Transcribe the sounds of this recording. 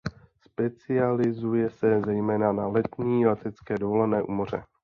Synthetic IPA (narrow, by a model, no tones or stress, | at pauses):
spɛt͡sɪalɪzujɛsɛzɛjmɛːnanalɛt̪ɲiːlɛt̪ɛt͡skɛːdovolɛnɛːʔuːmor̝ɛ̰